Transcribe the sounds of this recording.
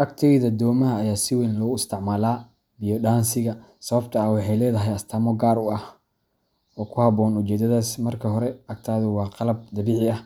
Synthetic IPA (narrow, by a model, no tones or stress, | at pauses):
ʔɐɡt̪ʰɐðɐd̪ɔːmɐɦɐːjaːsɪwɛnlɔɣʊɪst̪ʰɪʕmaːlaː | bijɔɖaːnsɪɣɐsɐβɐbt̪ʰɐawɑħɑjlɛːðɐɦɛjɐst̪ʰaːmɔɡaːɾʊɐh | ɔːkʰʊhɐbɔːnʊt͡ʃɛːd̪ɐðaːsmɐrkʰɐɦɔɾɛʔɐɡ̚t̪ʰaːðʊwɑːqɑlɐb̚d̪ɐβiːʕɪɐh